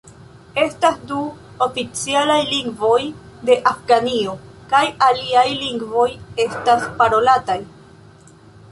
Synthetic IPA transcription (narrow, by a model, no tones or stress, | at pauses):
e̞stasdu | o̞fit͡sialajliŋɡvo̞j | de̞ʔafɡanio̞ | kajaliajliŋɡvo̞je̞staspaɾo̞lataj